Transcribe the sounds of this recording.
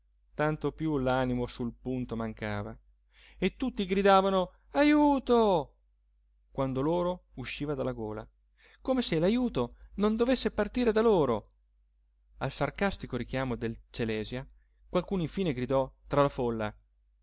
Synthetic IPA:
t̪ant̪opjulaːnimosulpunt̪omaŋkaːva | et̪ːut̪ːiɡɾid̪aːvano | ajuːt̪o | kwand̪oloːɾouʃːiːvad̪alːaɡoːla̰ | komeselajuːt̪onond̪ovesːepart̪iːɾed̪aloːɾo | alsarkast̪ikoɾik̟jaːmod̪elt͡ʃelɛːzja | kwalkuːnoiɱfiːneɡɾid̪ɔt̪ɾalafolːa̰

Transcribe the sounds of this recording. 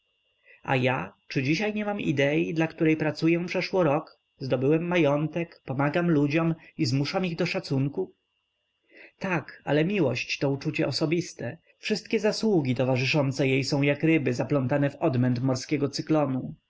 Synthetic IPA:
a̰jat͡ʂɘd͡ʑiɕajɲɛmamḭd̪ɛid̪lakt̪uɾɛjpɾat̪sujɛpʂɛʂwɔɾɔk | zd̪ɔbɘwɛmːajɔnt̪ɛkpɔmaɡamlud͡ʑɔmizmuʂamiɣd̪ɔʂat̪suŋku | t̪aka̰lɛmʲiwɔɕt͡ɕt̪ɔut͡ʂut͡ɕɛʔɔsɔbʲist̪ɛ | fʂɘst̪kʲɛzaswuɡʲit̪ɔvaʐɘʂɔnt̪sɛjejsɔ̃w̃jakɾɘbɘzaplɔnt̪anɛvɔd̪mɛnt̪mɔɾskʲɛɡɔt̪sɘklɔnu

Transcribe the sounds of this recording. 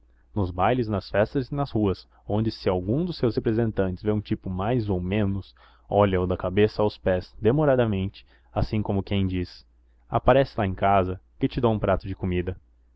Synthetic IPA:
nʊzbajlɪznɐsfɛst̪ɐzɪnɐzhuɐs | õnd͡ʒɪsɪawɡũd̪ʊsːewshepɾezẽnt̪ɐ̃nt͡ʃɪ̥zveũt͡ʃipʊmajzowmẽnʊs | ɔʎɐowd̪ɐkabesɐawspɛzd̪emoɾad̪ɐmẽnt͡ʃɪ̥ | asĩkõmʊkẽj̃d͡ʒis | a̰paɾɛsɪlaẽj̃kazɐkɪt͡ʃɪd̪õũpɾat̪ʊd͡ʒɪkomid̪ɐ

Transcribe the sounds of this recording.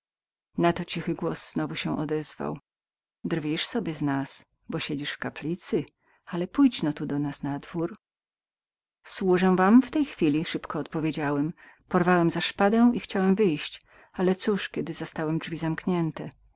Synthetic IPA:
nat̪ɔt͡ɕixɘɡwɔsz̥nɔvuɕɛ̃ʔɔ̰d̪ɛzva̰w | d̪ɾvʲiʂsɔbʲjɛznas | bɔɕed͡ʑiʂfkaplʲit̪sɘ | alɛpujd͡ʑnɔt̪ud̪ɔnasnad̪vuɾ | swuʐɛw̃vamft̪ɛjxfʲilʲiʂɘpkɔːt̪̚pɔvʲjed͡ʑawɛm | pɔɾvawɛmzaʂpad̪ɛw̃ʔixt͡ɕawɛmvɘjɕt͡ɕ | alɛt̪suʂkʲɛd̪ɘzɔst̪awɛmdʐvʲizamkɲɛnt̪ɛ

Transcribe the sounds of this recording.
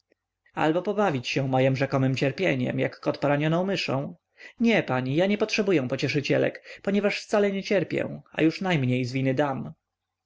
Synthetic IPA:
a̰lbɔpɔbavʲit͡ɕɕɛw̃mɔjɛmʐɛkɔmɘmt͡ɕɛɾpʲjeɲɛ̰mja̰kːɔt̪pɔɾaɲɔnɔ̃w̃mɘʂɔ̰̃w̃ | ɲɛpaɲijaɲɛpɔtʂɛbujɛ̃pɔt͡ɕɛʂɘt͡ɕɛ̰lɛ̰kpɔɲɛvaʂft̪salɛɲɛt͡ɕɛɾpʲjɛ̰̃a̰juʂnajmɲejzvʲinɘd̪am

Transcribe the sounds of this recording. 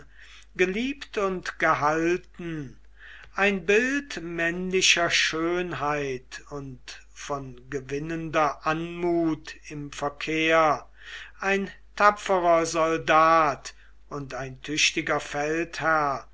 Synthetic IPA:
ɡ̥əliːptʊntɡ̥əɦaltn̩ | ʔaɪnbɪltmɛnlɪʃɐʃøːnɦaɪtʊnt | fɔnɡəvɪnəndɐʔanmuːtɪmfɛɐkʰeːɐ | ʔaɪntʰapp͡fəʁɐzɔldaːt | ʔʊntaɪntʰʏɕtɪɡɐfɛlthæɐɐ

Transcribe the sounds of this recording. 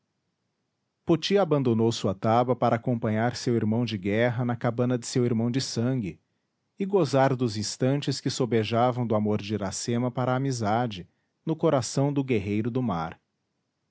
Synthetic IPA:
pot͡ʃiabɐ̃nd̪onowsuɐt̪abɐpaɾʔɐaːkõpɐ̃ɲaɾsewiɾmɐ̃w̃d͡ʒɪɡɛɦɐnɐkabɐ̃nɐd͡ʒ̪ɪsewiɾmɐ̃w̃d͡ʒɪsɐ̃ŋɡɪ | ɪɡozaɾd̪ʊzĩst̪ɐ̃nt͡ʃɪskɪsobeʒavɐ̃w̃d̪ʊamoɾd͡ʒɪɾasẽmɐpaɾɐːmizad͡ʒɪ | nʊkoɾasɐ̃w̃d̪ʊɡeɦejɾʊd̪ʊmaɾ

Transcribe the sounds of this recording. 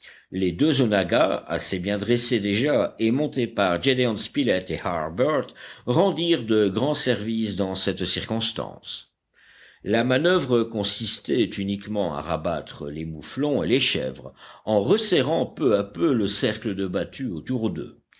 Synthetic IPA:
led̪øzonaɡaa̰sebjɛ̃d̪ʁesed̪eʒaemɔ̃t̪epaʁd͡ʒed̪eɔ̃nspilɛt̪eha̰ʁbœʁt̪ʁɑ̃d̪iʁd̪əɡʁɑ̃sɛʁvisd̪ɑ̃sɛt̪siʁkɔ̃st̪ɑ̰̃s | lamanœvʁəkɔ̃sist̪ɛt̪ynikmɑ̃a̰ʁabat̪χə̰lemuflɔ̃eleʃɛ̰vʁɑ̃ʁəsɛʁɑ̃pøapøləsɛʁkləd̪əbat̪ʰyot̪uʁd̪ə̰

